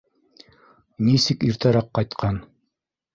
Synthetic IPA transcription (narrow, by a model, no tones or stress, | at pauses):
nisɘkiɾt̪ɑɾɑqːɑjt̪qʰɑn